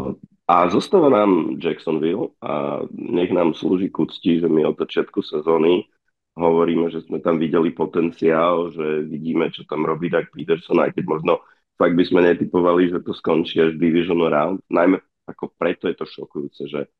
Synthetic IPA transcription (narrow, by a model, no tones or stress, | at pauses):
azɔst̪aʋanaːmd͡ʒɛksɔnʋila̰ɲɛɣnaːmsluːʒikut͡sciːʒɛmiɔd̪zat͡ʃɪat̪kusɛzɔːni | ɦɔʋɔɾiːmɛʒɛzmɛt̪amʋiɟɛlipɔt̪ɛnt͡siaːlʒɛʋiɟiːmɛt͡ʃɔt̪amɾɔbiːd̪ak̚pit̪ɛɾsɔna̰jkɛɟ̚mɔʒnɔ | faɡ̚d̪bizmɛɲɛt̪ipɔʋaliʒɛt̪ɔskɔnt͡ʃiːaʒd̪iʋiʒɔnuɾaʊnt̪najmɛ | akɔpɾɛt̪ɔjɛt̪ɔʃɔkujuːt͡sɛʒɛ